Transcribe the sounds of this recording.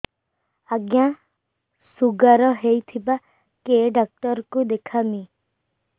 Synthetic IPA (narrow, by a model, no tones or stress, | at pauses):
aɡja | suɡaɾɔɦejt̪ʰiba | keɖak̚ʈɔɾkud̪ekʰami